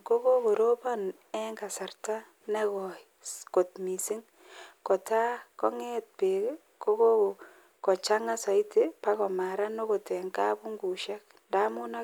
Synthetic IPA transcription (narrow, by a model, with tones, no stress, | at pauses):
ko˦ko˦ko˨ɾo˦ba˦n | ɛ˦ŋɡa˨sa˨rta˦ | nɛ˦kɔ˨ | ko˨tmi˨si˦ŋ | kɔ˨ta˦kɔ˦ŋe˦t̚pe˨˦ | ko˦ko˦˨ | kɔ˨t͡ʃa˦ŋa˦sa˨i˦te˦pa˦kɔ˨ma˨ɾa˦no˦ko˨tɛ˨ŋka˦bu˦ŋɡu˨ʃɛ˦k̚ | nda˦mʊ˦na˦